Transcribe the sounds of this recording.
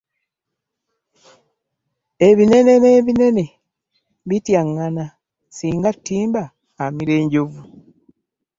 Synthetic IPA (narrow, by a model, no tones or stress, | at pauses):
e̞βine̞ne̞ne̞ːβine̞ne̞ | βitjaŋːana | siːŋɡatːiːmbaː | miɾeːɲɟoβu